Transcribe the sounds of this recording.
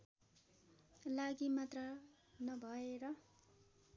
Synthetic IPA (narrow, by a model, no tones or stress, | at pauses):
laɡimat̪rʌ | nʌbʱʌeɾʌ